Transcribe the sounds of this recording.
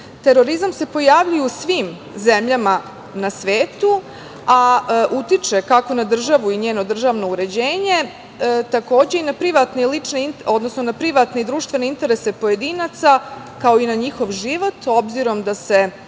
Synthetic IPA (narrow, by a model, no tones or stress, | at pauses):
t̪e̞ɾo̞ɾizamse̞po̞jaʋʎujusʋiːm | zemʎama | nasʋeːt̪u | aʔut̪it͡ʃe̞kako̞nad̪r̩ʒaʋuiɲe̞ːno̞d̪r̩ʒaːʋno̞uɾe̞d͡ʑeːɲe̞ | t̪ako̞ːd͡ʑe̞inapɾiʋat̪neilit͡ʂneino̞d̪nosno̞napɾiʋat̪ned̪ɾuːʃt̪ʋe̞ne̞int̪e̞ɾe̞sepo̞je̞d̪iːnat̪sa | kao̞inaɲixo̞ʋʒiʋo̞t̪o̞bziɾo̞md̪ase̞